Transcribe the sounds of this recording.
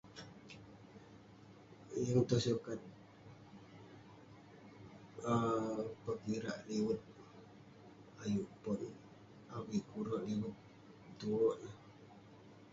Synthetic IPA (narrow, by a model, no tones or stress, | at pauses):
jəŋt̪ɔsukat̪̚ | əpəkiɾa̰ʔliwət̪̚ | ajuʔpɔn | awikuɾɔʔliwət̪̚ | t̪uɔʔnə